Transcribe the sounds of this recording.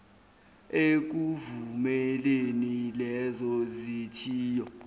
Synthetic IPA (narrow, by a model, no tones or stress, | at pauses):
ek̬uvumɛlenilɛzɔzitʰiːjɔ